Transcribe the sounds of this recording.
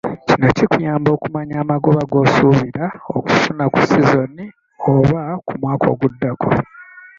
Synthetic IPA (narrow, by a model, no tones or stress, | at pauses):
cino̞cikujaːmbo̞ːkumaɲaːmaɡo̞βaɡo̞ːsuːβiɾaoku̥funaku̥sizo̞ni | oβakumwaːkʰo̞̰ːɡudːakʰo